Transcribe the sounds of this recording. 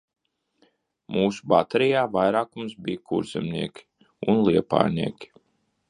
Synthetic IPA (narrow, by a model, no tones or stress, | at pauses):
muːsu̥bat̪ɛɾijaːvajɾaːkumsbijkʰuɾz̥ɛmnḭɛkʲi̥ | unlˠiɛpa̰ːɾniɛkʲi̥